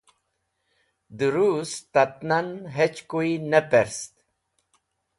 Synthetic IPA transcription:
d̪uɾust̪at̪nanɦet͡ɕkuinapeɾst̪̚

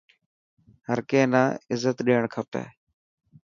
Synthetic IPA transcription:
həɾkeːnãːɪzːət̪ɗeːɳkʰəpḛː

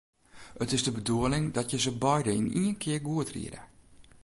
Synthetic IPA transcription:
ətɪzdəbəduəlɪŋdɔtjəzəbɔjdəiniənkʰɪərɡuətrḭədə̰

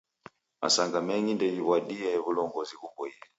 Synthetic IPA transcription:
mʔa̰saŋɡamɛŋɡindɛiβwaɗiɛβulɔŋɡɔzikubɔiɛ

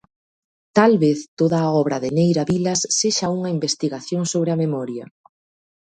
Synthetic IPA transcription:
t̪alβeθt̪oðaːɔβɾɐðɪnejɾaβilɐsːeʃauŋɐimbest̪iɣaθjoŋsoβɾɪɐmemɔɾjɐ

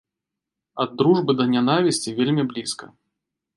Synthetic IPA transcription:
ɐd̪ːɾuʐbɨd̪ɐnʲanavʲisʲt͡sʲivʲelʲmʲiblʲiskɐ̰

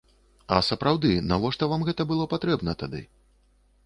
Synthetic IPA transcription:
ɐ̰sɐpɾawd̪ɨnavɔʂt̪ɔvamɣɛt̪ɐbɨlˠɔpat̪ɾɛbnɐt̪ad̪ɨ̰

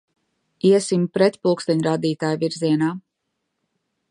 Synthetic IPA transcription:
iɛsimpɾɛt̪pulˠkst̪ɛɲɾad̪iːt̪aːjvʲiɾziɛnaː

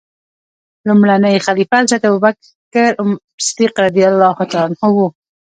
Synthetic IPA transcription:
lumɽanajxalifalʃat̪abubak | aɾʊm | ɪsd̪iqɾad̪ijalːɑhʊt̪ɑnhʊwu

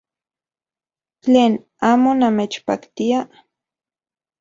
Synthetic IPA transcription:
t͡ɬeːn | aːmonamet͡ʃpakt̪ia

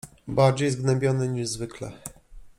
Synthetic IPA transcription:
baɾd͡ʑejzɡnɛmbʲjɔnɛɲiʐzvɘklɛ̰

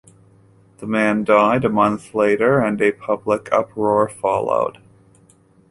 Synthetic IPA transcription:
ðəmæ̃ndaɪɾɨmʌ̃nθleɪɾə˞ɨ̃nɨpʰʌbləkʰʌ̰pʰɹɔɹfɑlˠo̰ʊd̥

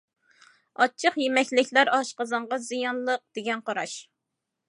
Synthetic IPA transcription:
ɑt͡ʃʰəqjemɛkʲlɪkʲlæɾɑʃqəzɑɴʁɑzijɑnlˠəq̚d̪̥eɡʲɛnqʰɑɾɑ̰ʃ

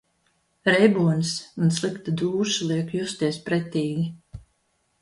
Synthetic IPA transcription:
ɾɛjbuɔnsunslˠikt̪ad̪uːʃlˠiɛkjust̪iɛspɾɛt̪iːɡʲi

